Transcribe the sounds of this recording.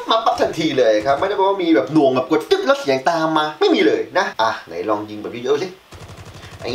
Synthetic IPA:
maː˧˩ɓa˦˥t̚t̪ʰa˨˩ŋt̪ʰi˧˩ləː˨˩jkʰaː˦˥pmaː˧˦˥a˧˦˩kɔ˧˦mi˧bɛː˨˩p̚nu˨˧˩əŋə˨˩p̚ku˧˩t͡ɕɨ˦˥k̚lɔː˦˥t̚sɛː˨˩˦ŋt̪aː˧maː˧maː˧˥jmi˧˨ləː˨˩jna˨˦ʔaː˨˧˩ŋa̰˨˩jlɔ˧ŋzi˧ŋbaː˨˩zu˧˦˩əː˧˦˥zi˦ | ʔa˧˦j

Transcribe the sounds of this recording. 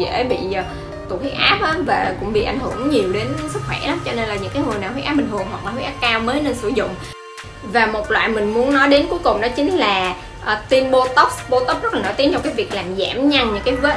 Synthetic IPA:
ḛ˧˩˦ɓḭ˧˨˩ | t̪u˨˩hi˦˥k̚ʔaː˦˥p̚ʔaː˨˦vaː˨˩kʊ̰˧˥ŋ͡mɓḭ˧˨ʔa˧˩jŋ̟hɨ˧˩əŋɲi˨˩əwɗe˨˦nsɨ˦˥k̚xwɛ˧˩la˨˦mt͡ɕɔ˧ne˧nlaː˨˩ɲɨ̰˧˥ŋkaː˨˦jŋɨ˨˩jnaː˨˩ɦwʔaː˦˥p̚ɓ̟h̪ʰɨ˨˩əŋɦwa˨˩k̚laː˨˩hi˦˥kʔaː˦˥p̚kaː˧wməː˨˦jne˧nsɨ˧˩zʊ̰˧˨ŋ͡m | vaː˨˩mo˨˩t̚lwa̰ː˧˨jmï˨˩ŋ̟mu˨˦ənnɔ˨˦jɗe˨˦nku˨˦əjkʊ˨˩ŋ͡mɗɔ˨˦t͡ɕï˨˦ŋ̟laː˨˩ | ʔt̪i˧nɓo˧t̪o˦˥p̚ɓo˧t̪o˦˥p̚zə˦˥laː˨˩no̰˧˩jt̪i˦ənt͡ɕɔ˧˩kaː˨˦jvi˨˩ək̚laː˨˩mzaː˧˩mɲa˧ŋɲɨ̰˧˥ŋkaː˨˦jvə˦

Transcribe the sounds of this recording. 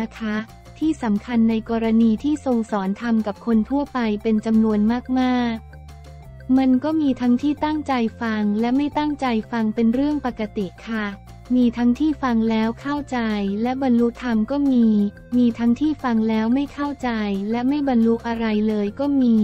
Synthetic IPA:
na˦˥kʰa˦˥ | t̪ʰiː˥˩sa˩˦mkʰa˧nːa˧jkɔː˧ɾa˧niː˧t̪ʰiː˥˩so˧ŋsɔː˩˦nt̪ʰa˧mka˨˩p̚kʰo˧nt̪ʰu˥˩əpa˧jpe˧nt͡ɕa˧mnu˧ənmaː˥˩k̚maː˥˩k̚ | ma˧nkɔː˥˩miː˧t̪ʰa˦˥ŋt̪ʰiː˥˩t̪a˥˩ŋt͡ɕa˧jfa˧ŋlɛ˦˥ma˥˩jt̪a˥˩ŋt͡ɕa˧jfa˧ŋpe˧nɾɯ˥˩əŋpa˧˩ka˧t̪i˨˩ʔkʰa˥˩ | miː˧t̪ʰa˦˥ŋt̪ʰiː˥˩fa˧ŋlɛː˦˥wkʰa˥˩wt͡ɕa˧jlɛ˦˥ba˧nlu˦˥t̪ʰːa˧mkɔː˥˩miː˧ | miː˧t̪ʰa˦˥ŋt̪ʰiː˥˩fa˧ŋlɛː˦˥wma˥˩jkʰa˥˩wt͡ɕa˧jlɛ˦˥ma˥˩jba˧nlu˦˥ʔ̚a˧ɾa˧jlɤː˧jkɔː˥˩miː˧

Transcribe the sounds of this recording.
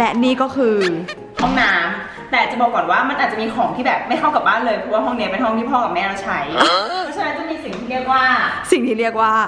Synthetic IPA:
lɛ˦˥niː˥˩kɔː˥˩kʰɯː˧ | hɔ˥˩ŋnaː˦˥m | t̪ɛː˨˩˨a˨˩t͡ɕa˨˩bɔː˨˩kːɔː˨˩nwaː˥˩ma˧nʔaː˨˩t͡ɕa˨miː˧xʰɔː˩˦ŋt̪ʰiː˥˩bɛː˨˩p̚ma˥˩jkʰa˥˩wka˨˩p̚baː˥˩nlɤː˧jpʰɾɔː˧waː˥˩ɦɔ˥˩ŋni˦˥ɐ˩pe˧nɦɔ˥˩ŋʰiː˥˩pʰɔː˥˩ka˨˩mɛː˥˩ɾa˧˩t͡ɕʰa˦˥jʰɔ˧˥t͡ɕʰa˥˧na˦˥nt͡ɕa˧˩miː˧si˨˩ŋt̪ʰiː˥˩i˥˩ək̚waː˥˩si˨˩ŋt̪ʰiː˥˩ɾi˥˩ək̚waː˥˩

